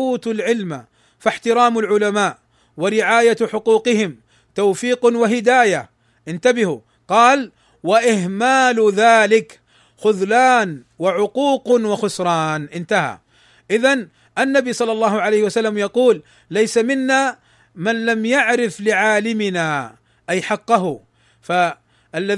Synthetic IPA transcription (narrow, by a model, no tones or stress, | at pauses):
uːt̪alʕɪlma | faħt̪ɪɾˤɑːmʊlʕʊlamaːʔ | waɾɪʕaːjaħʊquːqɪhɪm | t̪awfiːqnwaɦɪd̪aːja | ʔɪnt̪abɪhʊ | qɑːl | waʔɪhmaːlðaːlɪk | xʊðlaːn | waʕʊquːqnwaxʊsɾˤɑːnʔɪnt̪aha̰ | ʔɪðan | ʔanːabisˤɑlːɑlˤːɑːhʊʕalajhɪwasalːamjɑquːlː | ajsamɪnːa | manlamjaʕɾɪflɪʕaːlɪmɪna | ʔajħɑqːɑɦʊ | fa | ʔalːa